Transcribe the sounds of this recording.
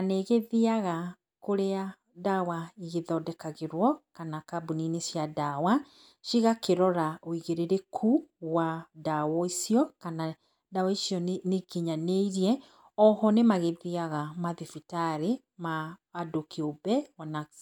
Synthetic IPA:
aneɣeðiaɣa | koɾea | dawaiɣeðɔdɛkaɣeɾwɔkanakabuninesjadawa | ʃiɣakeɾɔɾaoiɣeɾeɾekʰuwadawɔisiɔkana | dawaisiɔnekiɲaneiɾiɛ | ɔhɔnemaɣeðiaɣamaðifitaɾe | maːdokeobɛwana

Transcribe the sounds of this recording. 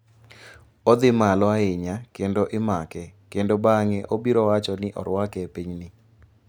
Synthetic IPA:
od̪ɪmalɔaɪɲakendoʔɪmakɛkendobaŋɛʔobiɾɔwat͡ʃɔnɪʔɔ̰ɾwakɛpiɲnɪ

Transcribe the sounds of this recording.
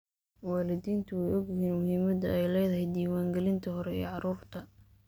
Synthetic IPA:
wɑːlɪd̪iːnt̪ʰʊwɛjɔɡjɪɦiːnmʊhiːmɐd̪ɐɛjlɛjðɐɦɛjd̪iːwaːŋɡɛlɪnt̪ʰɐɦɔɾɛḭːʕɑɾuːrt̪ʰɐ

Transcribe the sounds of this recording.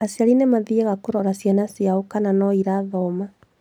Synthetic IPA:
asjaɾinɛmaðiɛɣakoɾɔɾasjanasjaokananɔiɾaðɔma

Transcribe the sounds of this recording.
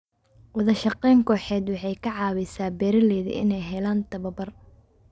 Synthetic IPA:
wɐðɐʃɐqɛːŋkʰɔːħɛːd̪wɑħɑjkʰɐʕɑːwɛsaːbɛːɾɐlɛːðɪ̰ʔɪ̰nɛjɦɛlaːnt̪ʰɐβɐbɐr

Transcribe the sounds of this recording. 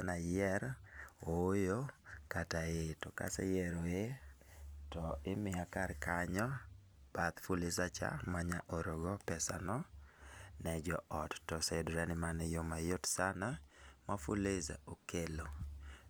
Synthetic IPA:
anajɛɾoojokataetɔka̰sɛ̰jɛɾoe | tɔɪmɪakarkaɲɔ | b̥at̪fulɪsat͡ʃa̰maɲaʔoɾoɡɔpɛsa̰nɔ | nɛd͡ʒɔʔɔtːɔsedɾanɪmanɛjomajotsanamafuleza̰okelo

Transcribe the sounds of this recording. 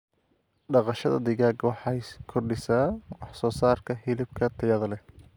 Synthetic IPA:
ɖɑqɑʃɐðɐ̰d̪ɪɣaːɡwɑħɑjkʰɔrɖɪsaːwɑħsɔːsaːrkʰɐɦɪlɪb̚kʰɐt̪ʰɐjɐðɐlɛ

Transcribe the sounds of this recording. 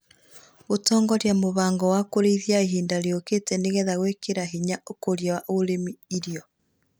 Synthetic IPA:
otɔːŋɡɔɾjamoβaːŋɡɔwakoɾeiðjaiɦiːndaɾeoketɛneɣɛðaɣwɛkeɾaɦiɲaokoɾjawaʔoɾemiiɾijɔ

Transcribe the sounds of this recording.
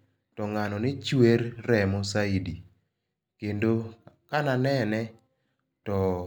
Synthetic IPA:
tɔŋanɔnɪt͡ʃweɾːɛmosaidi | kendokananɛnɛ | tɔ

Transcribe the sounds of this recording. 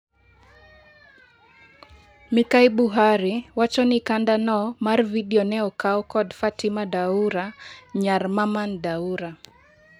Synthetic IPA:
mikaiɓuɦaɾiwat͡ʃɔnikandanɔmaɾviɗiɔnɛɔkaɔkɔdfatimaɗauɾaɲaɾmamandauɾa

